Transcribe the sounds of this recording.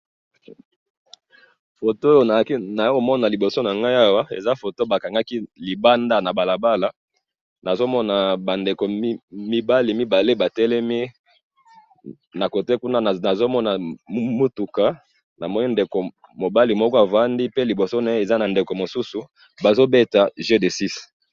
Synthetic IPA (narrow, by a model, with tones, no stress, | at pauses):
fo˨to˦jo˨na˨˦ki˦na˨jo˦ko˨mɔ˦na˨li˨bo˨so˦na˨ŋɡa˦ja˦wa˦ḛ˨za˦fo˨to˦ba˨ka˨ŋɡa˦ki˦li˨ba˦nda˦na˨ba˨la˨ba˦la˨ | na˨zo˦mɔ˦na˨ba˨nde˨ko˨˦mi˦ba˦li˨mi˦ba˨le˦ba˨tɛ˦lɛ˦mi˦ | na˨ko˨te˦ku˦na˦˨a˨zo˦mɔ˦na˨˦mo˦tu˨ka˨ | na˨mɔ˦ni˦nde˨ko˨ | mo˨ba˦li˨mɔ˦kɔ˦a˨va˦ndi˦pe˦li˨bo˨so˦na˨˦e˨za˦na˨nde˨ko˨mo˨su˦su˨ | ba˨zo˦be˦ta˨ʒe˦de˨si˦s